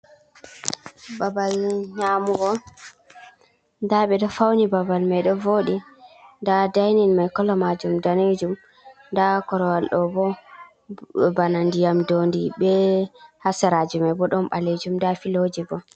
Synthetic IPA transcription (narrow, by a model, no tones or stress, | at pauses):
babalɲamuɡɔ | ndaɓɛɗɔfawnibabalmajɗɔvoɗindadajninmajkɔlːɔmad͡ʒumdaned͡ʒum | ndakɔɾɔwalɗɔbɔ | banandijamdondibɛhasɛɾad͡ʒumabɔɗɔnɓaled͡ʒumdafilod͡ʒibɔ